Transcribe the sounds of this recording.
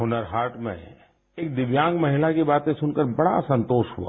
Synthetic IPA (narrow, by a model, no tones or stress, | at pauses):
ɦʊnəɾɦaːɾʈmḛ̃ | eːk̚d̪ɪʋjãːŋɡmɐɦɪlakibaːt̪ẽsʊnkəɾbɐɽa̰sɐ̃nt̪oːʃɦṵa̰